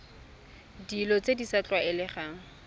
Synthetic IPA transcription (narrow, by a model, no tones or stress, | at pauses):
dilɔt͡sedisat͡ɬwaɪlɪχaːŋ̩